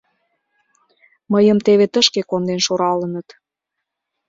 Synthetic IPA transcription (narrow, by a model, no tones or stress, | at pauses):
məjəmt̪eβet̪əʃkekond̪enʃoɾɑlənət̪